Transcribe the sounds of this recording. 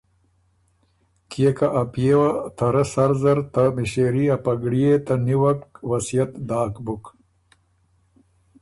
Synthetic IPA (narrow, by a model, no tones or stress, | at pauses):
kijekaʔːpjewat̪ʰɐɾɐsɐɾzɐɾt̪ɐmiɕeɾiɐpɐɡɽijet̪ɐniwɐkwɐsijɐt̪d̪aːkbuk